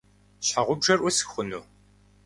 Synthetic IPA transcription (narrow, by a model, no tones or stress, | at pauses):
ɕħaʁʷʊbʐɐrʔʊsɨ̥xχʷʊnuː